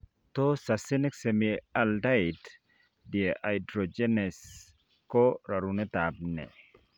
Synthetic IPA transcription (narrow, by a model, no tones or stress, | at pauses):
t̪osasɪnɪksemialdaɪd | dieʔajdɾod͡ʒenɛs | kɔɾaɾunɛt̪ab̚nɛ̰